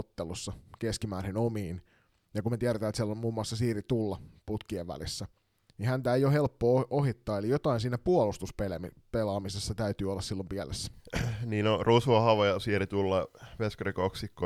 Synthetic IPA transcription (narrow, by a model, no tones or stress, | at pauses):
ot̪ːelusːɑkeskimæːrhenomiːn | jɑkunmet̪iæɾet̪æːt̪siælːommuːmːuɑsːɑsiːrit̪ulːɑput̪kieʋʋæ̰lisːæ | nihænt̪æejohe̞lpːoːʔohit̪ːɑːelijot̪ɑinsiːnæpuolust̪uspe | pelɑːmisesːɑt̪æyt̪yːolːɑssilːompiælesːæ̥niːnorusuɑhɑʋojɑsiːrit̪ulːɑʋeskrikoksikːo